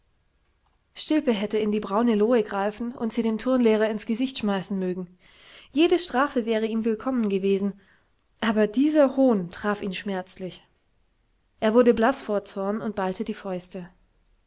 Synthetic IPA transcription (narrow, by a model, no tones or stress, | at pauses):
ʃtɪlpəɦɛtəɪndiːbʁaʊnəloːəɡʁaɪfn̩ʊ̰ntz̥iːdeːmtʰʊɐnlɛːʁ̞ɐɪnsɡ̥əzɪçtʃmaɪsn̩møːɡŋ̩ | jeːɾəʃtʁ̥aːfəvɛːʁ̞əiːmvɪlkʰɔmənɡəveːzn̩ | ʔaːbɐdiːzɐhoːntʁ̥aːfiːnʃmɛɐt͡slɪç | ʔeːɐvʊɐdəblasfoːɐt͡sɔɐnʊnt̚b̥altʰədiːfɔʏstə